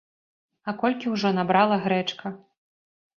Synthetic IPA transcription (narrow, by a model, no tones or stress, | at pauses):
ɐkɔlʲkʲiwʐɔnabɾalˠɐɣɾɛt͡ʂkʰɐ